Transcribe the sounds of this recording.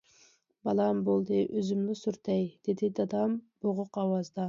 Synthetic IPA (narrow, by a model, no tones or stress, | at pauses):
bɑlˠɑmbolˠd̪ɨʔøzymlysuɾt̪ʰɛjd̪̥ɪd̪ɪd̪ɑd̪ɑmb̥oʁʊqɑwɑzd̪ɑ